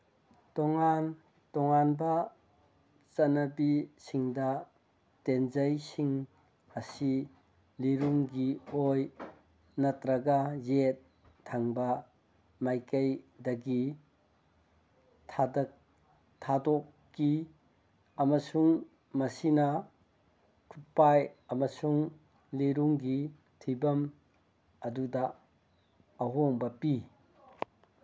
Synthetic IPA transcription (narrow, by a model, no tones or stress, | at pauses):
tɔŋan | tɔŋanbɐ | t͡ʃɐnɐbisiŋdɐ | tenzɐjsiŋ | ɐsi | liɾuŋɡioj | nɐtɾɐɡazet̚ʰː | aŋbɐ | majkɐjdɐɡi | tʰadɔkːi | ɐmɐsuŋ | mɐsinɐ | kʰupajɐmɐsuŋ | leɾuŋɡi | tʰibɐm | ɐdudɐ | ɦoŋbɐpi